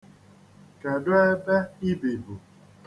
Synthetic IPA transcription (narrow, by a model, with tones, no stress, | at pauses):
ka˨dʊ˦a˦da˦i˦be˨bu˨